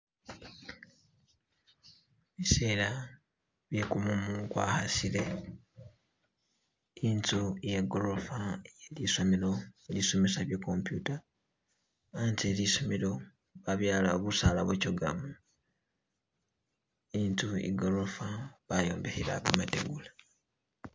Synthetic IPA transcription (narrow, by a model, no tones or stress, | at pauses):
βise̞ːla | βjekumumukwa̰ːhasile̞ | iːntujeɡoɾofaeliso̞melo̞elisomesaβjekompjuta | ntelisomilo̞ | βaβjaːlaβusalaβwecoɡa̰mu | iːntuḭɡoɾofaβajoːmbehila̰kumateɡula